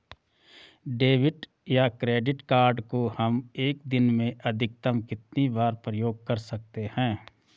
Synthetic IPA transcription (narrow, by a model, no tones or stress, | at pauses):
ɖeːʋɪʈ | jakɾeːɖɪʈkaːɾɖkohɐmeːk̚d̪ɪnmẽʔɐd̪ʱɪk̚t̪əmkɪt̪nibaːɾpɾəjoːɡ̚kɐɾsɐk̚t̪ehɛ̃ː